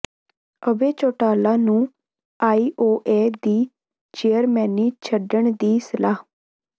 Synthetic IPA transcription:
əbeːt͡ʃoːʈaːlãːnũː | aːiːʔoːʔeːd̪iː | t͡ʃejəɾmɛːniːt͡ʃʰəɖəɳd̪iːsəlaːɦ

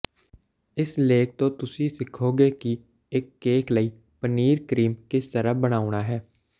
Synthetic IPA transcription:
ɪsleːk̚t̪õːt̪ʊsĩːsɪkʰoːɡeːki | ɪkːeːkʰləiː | pəniːɾkɾiːmkɪst̪əɾəːbəɽ̃aːʊɽaːɦɛː

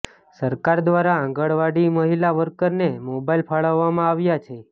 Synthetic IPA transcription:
səɾkaɾd̪ʋaɾaãŋɡəɭʋaɽiməɦilaʋəɾkəɾnemobailpʰaɭəʋːamãaʋjat͡ʃʰe

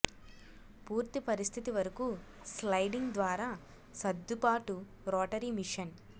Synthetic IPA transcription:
puːɾt̪ipɐɾist̪ʰit̪iʋɐɾɐku | slɐjɖiŋɡd̪ʋaːɾaː | sɐd̪ːupaːʈu | ɾɔːʈɐɾimiʂɐn

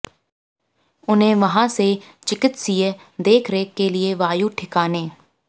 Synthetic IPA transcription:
ʊnẽːʋəɦãːset͡ʃɪkɪt̪siːe | d̪eːkʰɾeːkeːlɪeːʋaːjuːʈʰɪkaːneː

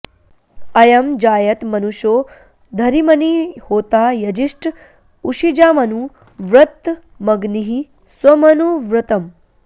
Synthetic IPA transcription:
ɐjɐmd͡ʒaːjɐt̪mɐnuʃoː | d̪ʱɐɾimɐnihoːt̪aːjɐd͡ʒiʂʈ | uʂid͡ʒaːmɐnu | ʋɾɐt̪ː | mɐɡniɦi | swɐmɐnuʋɾɐt̪ɐm

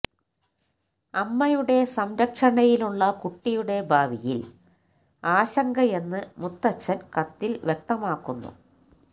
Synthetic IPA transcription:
ɐmːɐjuɽe̞sɐmɾɐkʂɐɳɐjiluɭːɐkuʈːijuɽe̞bʱaːʋijḭl | aːɕɐŋɡɐe̞nːɨmut̪ːɐt͡ɕːɐnkɐt̪ːilʋjek̚t̪ɐmaːkːunːṵ

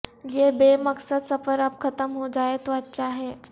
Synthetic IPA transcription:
jebeːmɐksəd̪sɐfəɾɐpkʰɐt̪əmɦod͡ʒaːet̪oɐtːʃʰaɦɛː

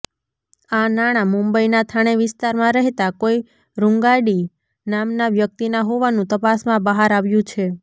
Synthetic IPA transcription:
anaɽ̃amũmbəinat̪ʰaɽ̃eʋɪst̪aɾmãɾəɦet̪akoi | ɾũŋɡaɽi | namnaʋjək̚t̪inaɦoʋanũt̪əpasmãbəɦaɾaʋjũt͡ʃʰe

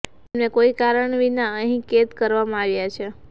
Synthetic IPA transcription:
emnekoikaɾəɳʋinaəɦĩket̪kəɾʋamãaʋjat͡ʃʰe

